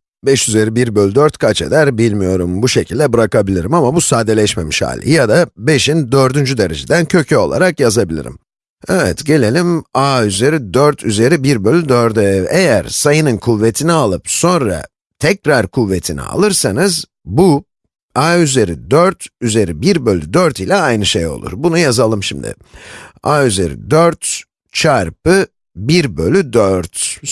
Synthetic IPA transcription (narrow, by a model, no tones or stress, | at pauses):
bɛʃyze̞ɾibiɾbølʲd̪øɾt̪kʰat͡ʃe̞̰d̪æɾbilʲmijo̞ɾumbuʃe̞cʰilʲd̪ɛbɯɾakabilʲiɾimamabusaːd̪e̞lʲɛʃme̞̰miʃha̰ːlʲḭjad̪abe̞ʃind̪ø̞ɾd̪ynd͡ʒyd̪e̞ɾed͡ʒid̪æncʰø̞cʰɛo̞̰lˠa̰ɾakjazabilʲḭɾḭm | ɛvɛ̰t̪ɟe̞lʲe̞lʲimaːyze̞ɾid̪øɾt̪ʰyze̞ɾibiɾbølʲyd̪øɾd̪ɛejæɾsajɯnɯnkʰuvːe̞t̪ʰinialˠɯpso̞nɾa̰ | t̪ʰɛcɾaɾkʰuvːet̪ʰinḭa̰lˠɯɾsanɯz | bu | aːyze̞ɾid̪øɾt̪ʰyze̞ɾibiɾbølʲːyd̪øɾt̪ʰilʲɛajnɯʃejo̞̰lˠṵɾbunujazalˠɯmʃimd̪ɪ̰ | aːyze̞̰ɾḭd̪øɾt̪ | t͡ʃʰaɾpɯ | biɾbø̞lʲyd̪øɾt̪